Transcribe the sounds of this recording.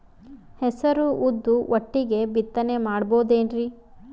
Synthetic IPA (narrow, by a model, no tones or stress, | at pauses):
hɛsɐɾuʔud̪ːuʔoʈːiɡe̞bit̪ːɐne̞maːɽboːd̪eːnɾi